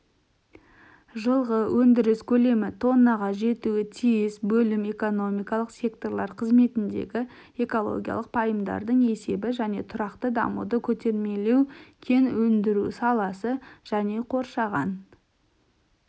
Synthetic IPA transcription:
ʒəlˠʁəwʔɵnd̪ɪɾɪskʲʰɵle̞mɪt̪ʰo̞nːɑʁɑʒe̞t̪uɪt̪ʰijɪsbɵlɪme̞ko̞no̞mijkɑlˠəqsʲe̞kt̪o̞rlˠɑɾqʰəzme̞t̪ɪnd̪e̞̰ɡʲɪ | e̞ko̞lˠo̞̰ɡʲija̰lˠəq̚pʰɑjəmd̪ɑ̰ɾd̪əɴe̞se̞bɪʒæne̞̰t̪ʰʊɾɑqt̪əd̪ɑ̰mṵd̪əkʲʰɵt̪e̞ɾme̞le̞wkʲʰe̞nwɵnd̪ɪɾusɑlˠɑsəʒ̥æne̞qʰo̞ɾʃɑʁɑn

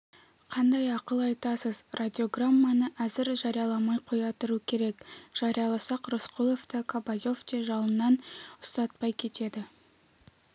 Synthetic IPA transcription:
qʰɑnd̪ɑjɑqəlˠɑjt̪ɑsəzrʔad̪ʲio̞ɡramːanəʔæzɪɾʒɑɾijɑlˠɑmɑjqʰo̞jɑt̪ʊɾukʲʰe̞ɾe̞kʒ̥ɑɾijɑlˠɑsɑqrosqʰulˠo̞ft̪əkʰabazoft̪eʒɑlˠənːɑnʊst̪ɑt̪̚pɑjkʲʰe̞t̪e̞d̪ɪ

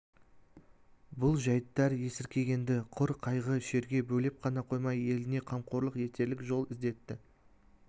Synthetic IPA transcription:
bʊlˠʒɑjət̪ːɑɾje̞sɪɾkʲʰe̞ɡʲe̞nd̪ɪqʰʊɾqʰɑjʁəʃe̞ɾɡʲe̞bɵle̞p̚qʰɑnɑqʰo̞jmɑje̞lɪne̞qʰɑmqʰo̞ɾlˠəqje̞t̪ʰe̞ɾlɪkʒo̞lˠɪzd̪e̞t̪ːɪ

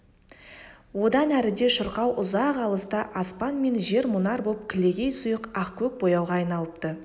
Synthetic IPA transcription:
wo̞d̪ɑnæɾɪd̪e̞ʃəɾqɑwʔʊzɑqɑlˠəst̪ɑʔɑspɑnme̞nʒe̞ɾmʊnɑɾbolˠəp̚kʲʰɪle̞ɡʲe̞jsʊjəqɑqkʲʰɵk̚bo̞jɑwʁɑːjnɑlˠəp̚t̪ə

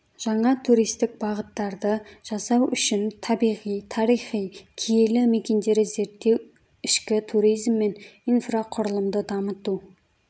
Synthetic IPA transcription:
ʒ̥ɑɴɑt̪ʰuɾijst̪ɪk̚bɑʁət̪ːɑɾd̪əʒ̥ɑsɑwʔʏʃɪnt̪ʰɑbijʁijt̪ʰɑɾijχijkʲʰijelɪme̞kʲe̞nd̪e̞ɾɪze̞ɾt̪ːe̞w | ɪʃkʲɪt̪ʰuɾijzmːe̞nijnfraqʰʊɾəlˠəmd̪əd̪ɑmət̪u

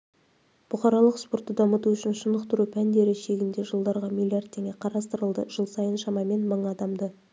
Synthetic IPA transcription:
b̥ʊχɑɾɑlˠəqspo̞rt̪ːəd̪ɑmət̪uʏʃɪnʃənd̪əqt̪əɾupʰænd̪e̞ɾɪʃe̞ɡʲɪnd̪e̞ʒəlˠd̪ɑɾʁɑmʲilʲˠijard̪̚t̪ʰːe̞ŋʲe̞qʰɑɾɑst̪əɾəlˠd̪əʒ̥əlˠsɑjənʃɑmɑme̞nməɴɑd̪ɑmd̪ə

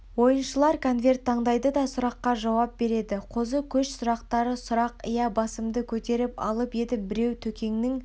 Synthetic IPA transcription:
wo̞jənʃəlˠɑɾkʰo̞nvʲe̞rtt̪ʰːɑɴd̪ɑjd̪əd̪ɑsʊɾɑqːɑʒɑwɑp̚be̞ɾe̞d̪ɪqʰo̞zəkʲʰɵʃsʊɾɑqt̪ɑɾəsʊɾɑqəjɑbɑsəmd̪əkʲʰɵt̪e̞ɾɪpɑ̰lˠəpe̞d̪ɪbɪɾe̞wt̪ʰɵkʲe̞ŋnɪŋ

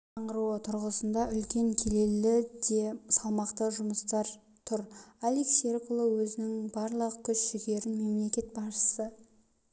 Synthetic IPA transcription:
ɑɴʁəɾuət̪ʰʊɾʁəsənd̪ɑʔʏlkʲe̞ŋkʲʰe̞le̞lɪd̪e̞sɑlˠmɑqt̪əʒʊməst̪ɑɾ | t̪ʰʊɾalikserkulˠowɵzɪnɪŋbɑɾlˠəʁəkʲʰʏʃʒɪɡʲe̞ɾɪnme̞mle̞kʲe̞t̪̚bɑsʃə̥sə

